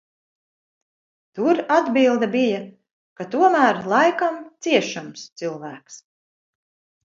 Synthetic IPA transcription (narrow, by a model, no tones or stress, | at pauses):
t̪uɾad̪bilˠd̪abija | kat̪uɔmæːɾlˠɑjkamt̪siɛʃamst̪sɨlˠvæːks